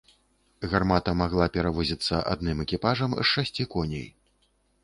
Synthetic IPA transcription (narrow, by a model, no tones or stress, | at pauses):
ɣarmat̪ɐmaɣlˠapʲɛɾavɔzʲit̪sːɐʔa̰d̪nɨmɛkʲipaʐɐmzʂasʲt͡sʲikɔnʲḛj